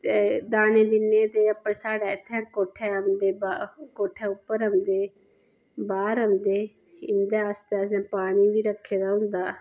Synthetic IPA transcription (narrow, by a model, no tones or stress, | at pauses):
ed̪aːneːd̪ɪnːeːt̪eːəpːəsaːɽaːɪt̪ʰːɛ̃ːkoːʈʰɛːɦəmd̪eːbakoːʈʰɛːʊpːəɾəmd̪eː | baːɾɦənd̪eː | ɪnd̪eːəst̪eːəs̬ɛ̃ːpaːɽ̃iːʋiːɾəkʰːeːd̪aːɦʊ̃nd̪aː